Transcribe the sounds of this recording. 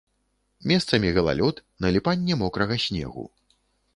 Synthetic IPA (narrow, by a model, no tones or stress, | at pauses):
mʲɛst̪sɐmʲiɣɐlˠa̰lʲɔt̪nɐlʲipanʲːɛmɔkɾɐɣɐsʲnʲɛ̰ɣṵ